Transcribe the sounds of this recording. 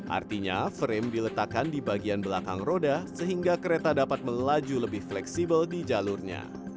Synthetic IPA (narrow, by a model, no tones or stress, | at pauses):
ʔa̰rt̪iɲa̰fəɾɪmdilət̪akandibaɡianbəlakaŋrodasəɦiŋɡakəɾet̪adapat̪̚məlad͡ʒuləbɪhflɛksibəldid͡ʒalʊrɲa̰